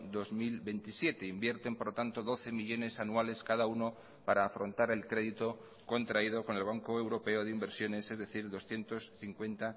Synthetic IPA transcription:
d̪o̞zmilβe̞nt̪isje̞t̪e̞imbje̞ɾt̪e̞mpoɾlot̪ant̪o̞ðo̞θe̞miʎo̞ne̞sanuale̞skaðauno̞ | paɾaːfɾo̞nt̪aɾe̞lkɾe̞ðit̪o̞ | ko̞nt̪ɾaið̞o̞ko̞ne̞lβ̞aŋko̞ewɾo̞pe̞oðeimbe̞ɾsjo̞ne̞se̞zðe̞θiɾðo̞sθje̞nt̪o̞sθiŋkwe̞nt̪a

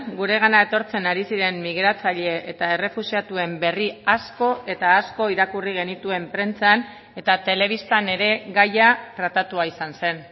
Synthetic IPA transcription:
ɡuɾe̞ɣ̞anae̞t̪o̞ɾt͡se̞naɾisiɾe̞mːiɣ̞ɾat͡saʎe̞ʔet̪ae̞re̞fusiat̪ue̞mbe̞riasko̞e̞t̪aːsko̞iɾakuriɣ̞e̞nit̪ue̞mpɾe̞nt͡san | e̞t̪at̪e̞le̞β̞ist̪ane̞ɾe̞ɣajatɾat̪at̪uaisanse̞n

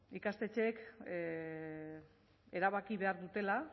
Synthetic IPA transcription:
ikast̪e̞t͡ʃek | e̞ɾaβakiβe̞aɾðut̪e̞la

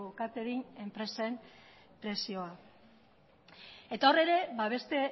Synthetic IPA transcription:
okat͡seðine̞mpɾe̞sem | pɾe̞sio̞a | e̞t̪aore̞ɾe̞βaβ̞e̞st̪e̞

